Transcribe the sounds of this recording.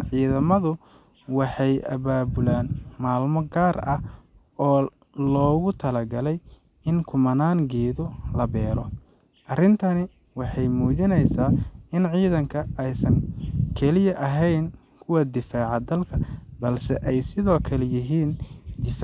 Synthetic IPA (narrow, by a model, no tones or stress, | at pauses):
ʕiːðɐmɐðʊ | wɑħɑjʔɐ̰βaːbʊlaːnmaːlmɔɡaːrɐhɔː | lɔːɣʊt̪ʰɐlɐɡɐlɛj | ɪŋkʰʊmɐnaːŋɡɛːðʊlɐbɛːɾɔ̰ | ʔɐrɪnt̪ʰɐnɪ | wɑħɑjmuːt͡ʃɪnɛjsaːɪnʕiːðɐŋkʰɐɛjsɐŋkʰɛlɪjɐʔɐɦɛjn | kʰʊwɐd̪ɪfaːʕɑd̪ɐlkʰɐbɐlsɛ̰ʔɛjsɪðɔːkʰɐlɛjɪɦiːnd̪ɪfaː